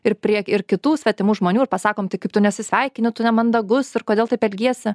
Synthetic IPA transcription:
ɪpʲɾʲiɛɪrkʲɪt̪uːsʲʋʲɛt̪ʲɪmuːʒmoːnʲuːɪrpɐsɑːkoːmtʲɪkɐɪpt̪ʊnʲɛsʲɪsʲʋʲɛɪkʲɪnʲʊt̪ʊnʲɛmɐnd̪ɐɡʊsɪrkoːd̪ʲeːlˠt̪ɐɪpɛlʲɡʲiɛsʲɪ

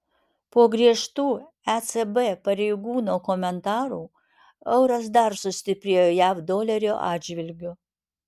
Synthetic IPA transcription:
poɔɡɾʲiɛʃt̪uː | æsɛbɛpɐɾʲɛɪɡuːnoːkɔmʲɛnt̪ɑːɾuː | ɐʊɾɐs̬d̪ɐɾsʊsʲt̪ʲɪpʲɾʲeːjoːjæfd̪oːlʲɛɾʲoːʔɑːdʲd͡ʒʲʋʲɪlʲɡʲʊ

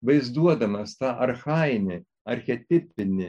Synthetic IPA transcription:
ʋɐɪzd̪uɔd̪ɐmɐst̪ɑːʔɐɾxɑːjɪnʲɪ | ɐɾʲxʲɛt̪ʲɪpʲɪnʲɪ

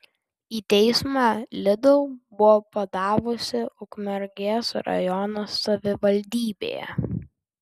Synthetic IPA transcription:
iːt̪ʲɛɪsmɑːlʲɪd̪ɔʊbʊʋɔːpɐd̪ɑːʋʊsʲɪʊkmʲɛɾʲɡʲeːsɾɐ̰jɔnɐsːɐʋʲɪʋɐlʲd̪ʲiːbʲḛːjɛ̰

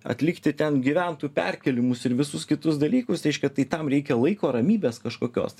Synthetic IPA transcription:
ɐ̰t̪ʲlʲɪkt̪ʲɪt̪ʲɛnɡʲiʋʲænt̪upʲæ̰ɾʲkʲɛlʲɪmʊsɪɾʋʲɪsʊskʲɪt̪ʊsd̪ɐlʲiːkʊsɾʲɛɪʃʲkʲɛt̪ɐɪt̪ɐmɾʲɛɪkʲɛlˠɐɪkoːɾɐmʲiːbʲeːskɐʃkoːkʲo̰ːs

